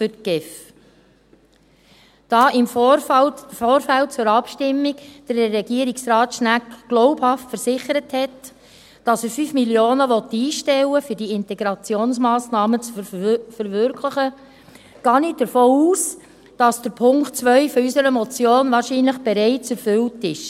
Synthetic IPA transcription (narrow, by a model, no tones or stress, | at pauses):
fʏtɡ̥ɪf | d̥ɑːʔɪmf | foːɾfælt͡sʊɾɑpʃtɪmːiɡd̥əɾːɛɡ̥iːəɾiksɾɑːtʃnækɡ̥lɔʊphɑftfəɾsɪχəɾəthɛt | d̥ɑsəɾfyːfmiljoːnəʋɔt̪iːʃtɛləfyɾdiɪntɛɡɾɑt͡sjoːnsmɑːsnɑːmət͡sfəɾʋʏɾkʰləχə | ɡ̥ɑːnidəɾfoːuːs | d̥ɑsd̥əɾpʰʊŋktt͡sʋœʏfɔysəɾəmɔt͡sjoːnvɑːɾʃiːnləχb̥ɛɾɛɪt͡sɛɾfʏltɪʃ